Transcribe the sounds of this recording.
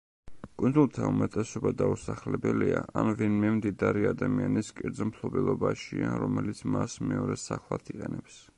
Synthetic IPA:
kʼund̪zulˠt̪ʰaumɛt̪ʼɛsɔbad̪ausaχlɛbɛliaʔanvinmɛmd̪id̪aɾiad̪amianiskʼiɾd̪zɛmpʰlˠɔbɛlˠɔbaʃiaɾɔmɛlit̪sʰmasmɛɔɾɛsaχlˠat̪ʰiqʼɛnɛps

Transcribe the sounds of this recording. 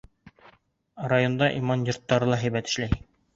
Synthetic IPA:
rajond̪ɑʔimɑnjort̪ːɑɾɤlˠɑɦæjbæt̪ɘ̥̆ʃlæji

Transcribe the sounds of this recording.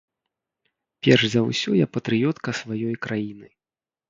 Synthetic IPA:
pʲɛrʐzɐwsʲɔjapɐt̪ɾɨjɔt̪kɐsvajɔjkɾʔajinɨ

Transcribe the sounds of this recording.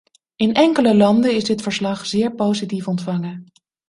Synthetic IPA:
ɪnʔɛŋkələlɑndəɪzdɪtfəɹslɑχz̥ɪːɹpowzitifɔntfɑŋə

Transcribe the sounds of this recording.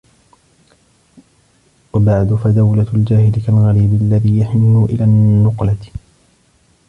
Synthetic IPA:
wabaʕd̪ʊfad̪awlald͡ʒaːhɪlɪkalɣaɾiːbɪalːaðiːjaħɪnːʊʔɪlaːnːʊqla

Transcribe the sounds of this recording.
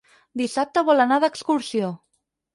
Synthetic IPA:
d̪isap̚t̪əβɔlənaðəkskuɾsio

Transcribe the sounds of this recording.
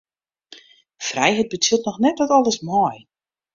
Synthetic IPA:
frɛjɦɛjt̚bət͡silˠtnɔxnɛt̚dɔtɔlˠəsmɔj

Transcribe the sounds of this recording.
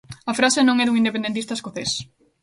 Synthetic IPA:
ɐfɾasenõŋɛðuŋind̪epend̪ent̪ist̪ɐeskoθes

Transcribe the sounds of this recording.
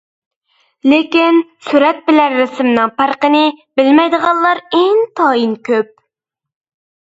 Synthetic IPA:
lɪkʲinsyɾɛt̪̚bɪlænːɪsɪmnɨŋpʰæɾqənɪbɪlmɛjd̪əʁɑlˠlːˠɑɾeŋt̪ʰɑːjinkʲʰøp̚

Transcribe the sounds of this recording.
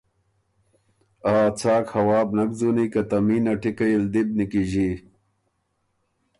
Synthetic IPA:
aːt͡sʰaːkhɐwaːbnɐɡ̚zunikɐt̪ɐmiːnɐʈikɐild̪ib̚nikiʑi

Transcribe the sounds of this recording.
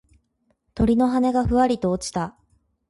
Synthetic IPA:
t̪o̞ɾʲino̞ɦane̞ɡaɸɯ̟βaɾʲit̪o̞ːt͡ɕi̥t̪a

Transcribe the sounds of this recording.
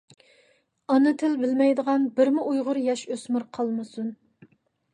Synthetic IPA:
ɑnɨt̪ʰɪlbɪlmɛjd̪əʁɑnbɪɾmɪʔujʁʊɾjɑʃøsmʊɾqʰɑlˠmɨsun

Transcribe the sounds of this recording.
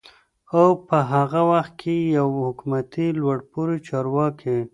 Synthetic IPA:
awpəɦaɣawaxt̪̚kʰejawhʊkumat̪ilwaɽpuɾit͡ʃɑɾwɑkʰe

